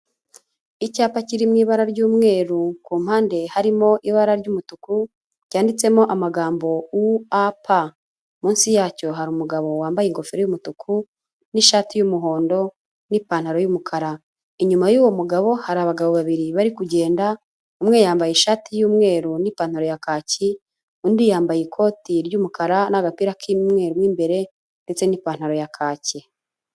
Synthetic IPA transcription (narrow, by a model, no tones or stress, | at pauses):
icaːpaciɾimŋiːβaɾaɾɟuːmŋe̞ːɾukuːm̥haːnde̞haɾimo̞ʔiβaɾaɾɟuːmutuku | ɾjaːndit͡se̞mo̞ʔamaɡaːmbo̞wuapʰa | muːnsijaːco̞ɦaɾumuɡaβo̞waːmbajeŋɡo̞feɾojumutukʰu | niʃaːtijumuɦo̞ːndo̞ | niːpaːn̥haɾo̞jumukʰaɾa | iɲumajuːwo̞muɡaβo̞haɾaβaɡaβoβaβiɾiβaɾikuɟe̞ːnda | umŋe̞jaːmbajeʃaːtʰijuːmŋe̞ːɾunipaːn̥haɾo̞jakaːci | undijaːmbajikʰo̞ːtiɾjumukʰaɾanaɡapiɾakʰimŋe̞ːɾumwiːmbe̞ɾe̞ | nde̞t͡se̞niːpaːn̥haɾo̞jakʰaːce